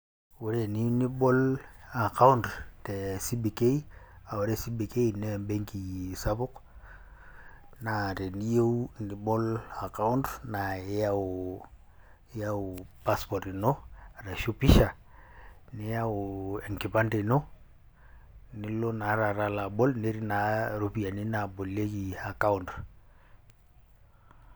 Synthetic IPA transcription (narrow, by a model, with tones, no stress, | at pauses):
wu˨˦ɾe˨ni˦ni˦bɔ˦la˨ka˦u˦ntte˨si˦bi˨ke˦i˦a˨wa˨ɾe˦si˦bi˨ke˦i˨ne˦˨mbe˦ŋki˨sa˦bʊ˦k | na˨te˨ni˦je˦uni˨bɔ˦la˨ka˦u˦ntna˨˦ja˦˨˦ | ja˦u˨pa˦spɔ˨ɾi˨no˦˨ɾa˨ʃo˦pi˦ʃa˨ | ni˦ja˦ʊ˨e˨ŋki˨pa˦nde˨no˦ | ni˦lo˦na˨˦ɾa˨ɾa˨la˨bɔ˦lne˦ɾi˦na˨˦ɾo˦pi˨a˨ni˦na˨bo˨le˦ki˨a˨ka˦u˦nt